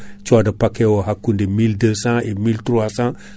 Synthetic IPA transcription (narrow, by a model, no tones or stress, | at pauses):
t͡ʃadapakewoɦakːundemildəsãemiltuɾwasã